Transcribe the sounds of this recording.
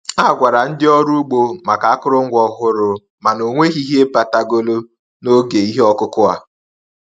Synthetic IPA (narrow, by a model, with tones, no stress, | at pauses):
a˦˨ɡʷa˨ɾa˨n̩˦dɪ˦ɔ˦ɾu˦ɡ͡bo˦ma˨ka˨a˦kʊ˦ɾʊ˦ŋ̩˦ɡʷɔ˦ɦʊ˦ɾʊ˨ | ma˨no˨ŋʷe˦ɣi˦ɦe˦pa˨ta˨ɡo˦lo˦ | no˦ɡe˨i˦ɦɔ˦kʊ˦kʊ˦a̰˨